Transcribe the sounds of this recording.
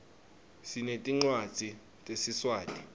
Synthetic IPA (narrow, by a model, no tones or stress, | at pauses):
sinetʼiŋ͡ǀwad̥z̥ʱi | tʼesiswaːtʼi